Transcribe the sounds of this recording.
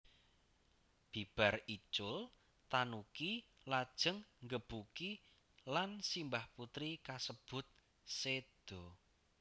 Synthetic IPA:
b̥i̤b̥a̤rit͡ʃʊl | t̪anuki | lad̥ʒ̥ə̤ŋŋɡəb̥uki | lansimbahput̪ɾikasəb̥ʊ̤t̪̚ | sed̪̥ɔ̤

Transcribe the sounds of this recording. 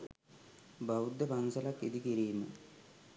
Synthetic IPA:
bɐud̪jɐpɐnsɐlɐkːid̪ikiɾijumɨ̰

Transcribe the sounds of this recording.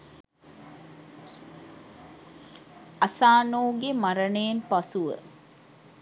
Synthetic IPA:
asaːnoːɡemaɾənejːnpasuʋə̰

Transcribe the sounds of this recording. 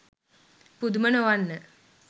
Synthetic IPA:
pud̪mɐnoʋanːə

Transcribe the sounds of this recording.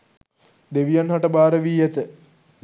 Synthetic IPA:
d̪eʋijanhaʈəbaːɾəʋiːɛt̪ə

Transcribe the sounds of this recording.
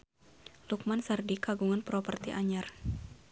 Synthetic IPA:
luk̚mansardikaɡuŋanpɾɔpərt̪iʔaɲar

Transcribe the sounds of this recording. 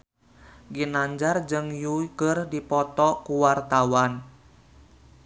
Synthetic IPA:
ɡinaɲd͡ʒard͡ʒɨŋjuɡərdipɔt̪ɔkuwart̪awan

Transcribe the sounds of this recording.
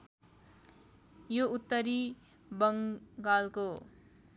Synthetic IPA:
jout̪ːʌɾi | bʌŋɡalko

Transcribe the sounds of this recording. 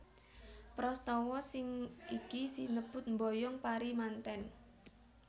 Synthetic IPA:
pɾɔst̪ɔwɔsɪŋikisinəb̥ʊ̤t̪̚mbojɔŋpaɾimant̪ɛn

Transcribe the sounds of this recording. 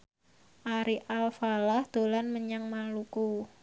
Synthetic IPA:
ʔaɾiʔalfalahd̪̥o̤lanməɲaŋmaluku

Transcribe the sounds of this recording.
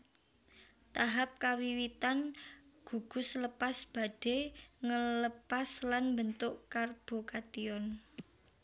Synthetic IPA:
t̪aɦap̚kawiwit̪anɡ̥uɡ̥ʊ̤sləpasb̥a̤ɖ̥eŋələpaslanmbənt̪ʊʔkarb̥o̤kat̪iɔn

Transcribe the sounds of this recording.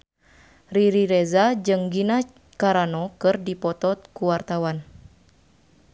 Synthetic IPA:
riɾiɾɛzad͡ʒɨŋɡina | kaɾanɔkɨrdipɔt̪ɔt̪̚kuwart̪awan

